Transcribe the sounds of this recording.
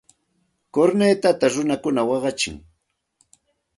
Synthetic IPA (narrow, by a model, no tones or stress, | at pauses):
koɾneːt̪at̪aɾʊnakʊnawɑɢɑt͡ʃɪ̰ŋ